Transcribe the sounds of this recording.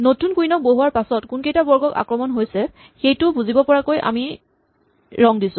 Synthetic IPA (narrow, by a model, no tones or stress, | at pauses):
notunkujnɔk̚boɦuwaɹpasɔtkunkejtabɔɹɡɔka̰kɹɔmɔnɦojsɛ | xejtʊbuzibɔpɔɹakojʔa̰mi | ɹɔŋdisʊ̃